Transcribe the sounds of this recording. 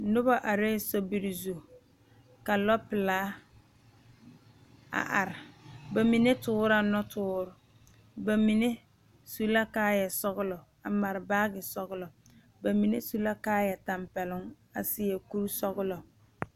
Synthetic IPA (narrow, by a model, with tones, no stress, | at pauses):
nʊ˦ba˦ʔa˨ɾeː˦sɔ˨bi˨ɾɪ˨zu˨ | ka˨lɔ˦pɪ˨laː˦ | a̰˨ʔa˨ɾɪ˨ba˨mi˨ne˦tʊː˦ɾa˨nɔ˦tʰʊː˦ɾʊ˨ | ba˨mi˨ne˦ | su˨la˦kaː˦jɛ˨sɔ˦ɣʊ˦lɔ˨ | a˨ma˨ɾɪ˨baː˦ɡɪ˨sɔ˦ɣʊ˦lɔ˨ | ba˨mi˨ne˦su˨la˦kaː˦jɛ˨ta˨mpɛ˨lʊ˦ŋ | a̰˨sɪ˦jɛ˨ku˦ɾsɔ˦ɣʊ˦lɔ˨